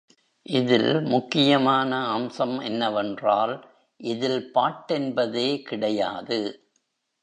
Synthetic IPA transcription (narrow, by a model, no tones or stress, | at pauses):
ʔɪðɪ̰lmʊkːɪjɐmaːnɐːmsɐmɛnːɐʋɛndraːl | ʔɪðɪlpaːʈːɛnbɐðeːkɪɽɐjaːðɯ